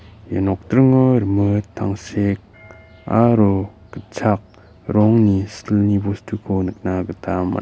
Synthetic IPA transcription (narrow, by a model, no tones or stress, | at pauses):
janɔk̚tɾɯŋɔɾmɯt̪ʰːa̰ŋsek̚ | a̰ɾo | kət͡sʰak̚ | ɾɔŋnisilnibostʰukʰonɯk̚naɡɯtʰama̰